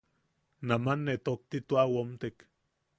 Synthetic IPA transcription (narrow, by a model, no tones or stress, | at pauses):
namanːet̪ok̚t̪it̪uawomt̪ek